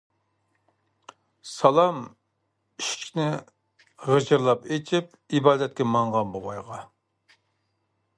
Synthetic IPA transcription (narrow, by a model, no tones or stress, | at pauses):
sɑlˠɑm | iʃknɪ | ʁəd͡ʒɨɾlˠɑpet͡ʃʰip̚ | ibɑːd̪ɛt̪̚kʲɛmɑŋʁɑnboʁɑjʁɑ